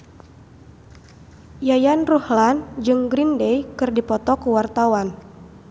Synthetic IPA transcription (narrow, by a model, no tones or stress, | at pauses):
jajanruhland͡ʒɨŋɡɾindejkɨrdipɔt̪ɔkuwart̪awan